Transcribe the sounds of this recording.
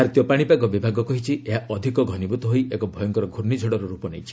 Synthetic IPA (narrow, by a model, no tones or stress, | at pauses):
aɾt̪jɔpaɽ̃ipaɡɔbibʱaɡɔkɔɦit͡ʃʰieɦaʔɔd̪ʱikɔɡʱɔnibut̪ɔɦojʔekɔbʱɔjɔŋkɔɾɔɡʱuɾnid͡ʒʱɔɽɔɾɔɾupɔnejt͡ʃʰi̥